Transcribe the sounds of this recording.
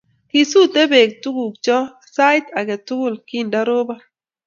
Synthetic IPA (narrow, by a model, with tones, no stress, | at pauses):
ki˨su˦te˦be˨k̚tu˦ɡu˨k̚t͡ʃɔ˦ | sa˦jt̪a˨ɡɛ˨tʊ˦ɡu˦˨lki˦nda˦ɾo˦ba˦